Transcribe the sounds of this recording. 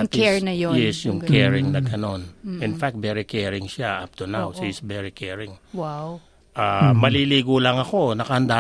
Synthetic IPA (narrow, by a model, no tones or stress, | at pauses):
kɛɹnɐjojɛsjʊŋkɛɹɪŋnɐɡɐno̞nɪnfak̚t̪̚bɛɾɪkɛːɹɪŋʃaʔap̚t̪ɛɹnawsisvɛɹikʰɛɹɪŋwaw | ʔamɐliliːɡolɐŋɐko̞nɐkɐhɐnd̪aː